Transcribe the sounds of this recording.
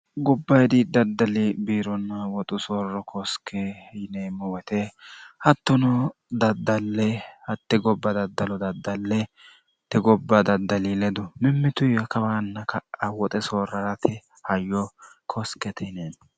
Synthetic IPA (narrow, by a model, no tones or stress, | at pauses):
ɡɔbːɐjd̪ɪd̪ɐd̪ːɐlɪbiːɾɔnːɐwɔt̪ʼʊsoːrːɔkʰɔskʰːɛneːmɔwɛt̪ɛhɐt̪ːɔnɔd̪ɐd̪ːɐlːɛhɐt̪ːɪɡɔbːɐd̪ɐd̪ːɐlɔd̪ɐd̪ːɐlːɛ | t̪ːɛɡɔbːɐd̪ɐd̪ːɐlilɛd̪ʊmɪmːɪt̪ʊjɐkɐbaːnːɐkɐɐwɔt̪ʼɛsoːɾɐɾɐt̪ɪ | hɐjːɔ | kʰɔskɛt̪ɛneːn